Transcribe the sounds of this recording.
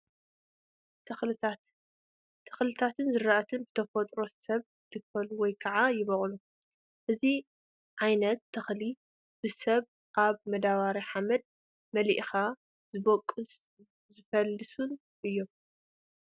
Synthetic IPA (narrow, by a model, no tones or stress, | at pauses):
t̪ʰɐxlɨat̪ʰː | ɐ̥xlɨt̪ʰat̪ʰɨnzɨɾaʔɐt̪ʰɨnbɨt̪ʰɐfot̪ʼɾo̞sɐβ | ɨt̪ʰɨkfɐluwɔjkʰɐʕajɪβɐχʼlu | ʔɨzi | ʕajnɐt̪ʰːɐxli | b̥ɨsɐβ | ʔaβmɐd̪aβaɾiħamɐd̪̚ | mɐliʔxa | zɨβɐkʼːɨs | zɨfɐlːɨsun | ʔɨjːo̞m